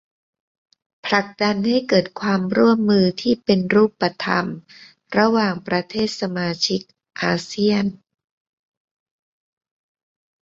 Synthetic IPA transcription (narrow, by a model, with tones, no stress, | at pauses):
pʰla˨˩k̚da˧nha˥˩jkɤː˨˩t̪̚kʰwaː˧mɾu˥˩əmːɯː˧t̪ʰiː˥˩pe˧nɾuː˥˩pːa˧t̪ʰa̰˧m | ɾa˧waː˨˩ŋpɾa˧t̪ʰeː˥˩t̪̚sa˧maː˧t͡ɕʰi˦˥k̚ | ʔaː˧si˥˩ən